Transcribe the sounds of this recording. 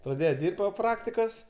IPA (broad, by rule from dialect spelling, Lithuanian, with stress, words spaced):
prɐˈdʲeːjɛ ˈdʲɪrʲpʲtʲ poː ˈprɑːktʲɪkoːs